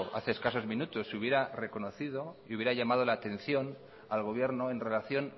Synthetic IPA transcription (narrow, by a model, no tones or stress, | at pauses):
a̰θeːskaso̞zmĩnut̪osuβje̞ɾare̞ko̞no̞θið̞o̞iuβjeɾaʎamað̞o̞laːt̪ẽ̞n̟θjo̞n | alɣ̞o̞β̞je̞ɾno̞e̞nre̞laθjo̞n